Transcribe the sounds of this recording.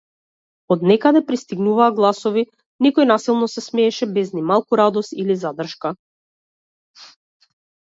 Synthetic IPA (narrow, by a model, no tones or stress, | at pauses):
ɔd̪nɛkad̪ɛpɾist̪iɡnuvaːɡlˠasɔvi | nikɔjnasilˠnɔsɛsmɛːʃɛbɛznimalˠkuɾad̪ɔst̪ilizad̪r̩ʃka